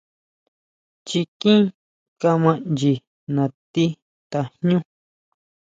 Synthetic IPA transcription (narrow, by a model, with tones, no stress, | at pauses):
t͡ʃi˧kĩ˦ | ka˧mã˦nd͡ʒi˧ | nã˨t̪i˦ | t̪a˧hɲũ˦